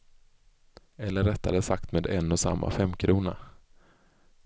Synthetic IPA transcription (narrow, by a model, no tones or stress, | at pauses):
ɛlːəɾɛt̪ːad̪əsakt̪meːd̪ɛnːɔsa̰mːʔa̰fɛmːkʰɾuːna̰